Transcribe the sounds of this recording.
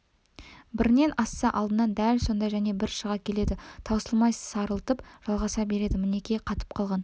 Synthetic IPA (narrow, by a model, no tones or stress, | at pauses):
bɪɾne̞nɑsːɑʔɑlˠd̪ənɑnd̪ælso̞nd̪ɑjʒæne̞bɪɾʃəʁɑkʲʰe̞le̞d̪ɪt̪ʰɑwsəlˠmɑj̪sɑɾəlˠt̪əpʒ̥ɑlˠʁɑsɑbe̞ɾe̞d̪ɪmɪne̞kʲeqʰɑt̪ə̥p̚qʰɑlˠʁɑn